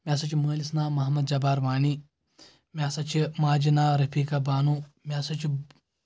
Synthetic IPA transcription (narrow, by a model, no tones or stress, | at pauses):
mʲasɐt͡ʃiməːlisnaːmɐɦmɐd̪̚d͡ʒɐbaːɾʋaːni | mʲaːsat͡ʃʰimaːd͡ʒinaɾɐpʰiːkabaːnumʲasat͡ʃi